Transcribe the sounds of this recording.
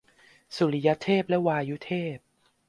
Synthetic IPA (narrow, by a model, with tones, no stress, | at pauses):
su˨˩li˦ja˦˥t̪ʰeː˥˩p̚lɛ˦˥waː˧ju˦˥t̪ʰeː˥˩p̚